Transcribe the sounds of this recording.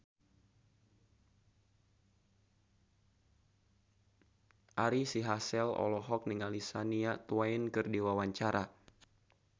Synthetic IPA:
ʔaɾisiɦasɛlɔ̰lɔɦɔk̚niŋalisaniat̪uainkɨrdiwawaɲt͡ʃaɾa

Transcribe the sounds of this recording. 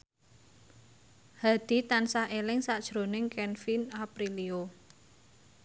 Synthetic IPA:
had̪̥i̤t̪ansaʔelɪŋsad̥ʒ̥ɾo̤nɪŋkɛnfinapɾilio

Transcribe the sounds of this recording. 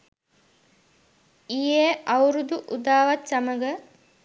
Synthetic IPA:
ijeawɾud̪uʔud̪aːʋat̪saməɡə

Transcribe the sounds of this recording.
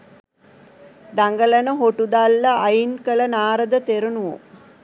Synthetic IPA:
d̪aŋɡəlɐnəɦoʈud̪alːɐʔajinkəɭɐnaːɾəd̪ət̪eɾunuʋo̰

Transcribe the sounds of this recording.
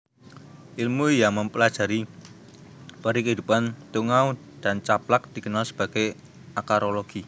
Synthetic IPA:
ʔilmuijaməmpəlad̥ʒ̥a̤ɾi | paɾikəɦid̪upant̪uŋau | d̥ant͡ʃaplak̚d̪̥i̤kənalsə̥b̥a̤ɡ̥e | akaɾoloɡ̥i

